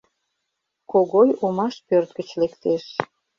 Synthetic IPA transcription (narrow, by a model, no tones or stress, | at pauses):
koɣojomɑʃpørt̪ɡət͡ɕlekt̪eʃ